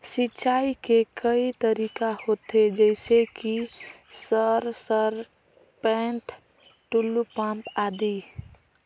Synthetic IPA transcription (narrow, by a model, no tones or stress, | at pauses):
sit͡ʃaːikekəit̪əɾiːkahoːt̪ed͡ʒɛɪseki | səɾsəɾ | pɛ̃ːɳʈʰ | ʈulːupãːmpaːd̪i